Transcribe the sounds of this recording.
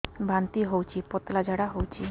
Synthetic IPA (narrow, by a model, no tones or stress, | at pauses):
bʱant̪iɦowt͡ɕʰipɔt̪lad͡ʑʱaɽaɦowt͡ɕʰi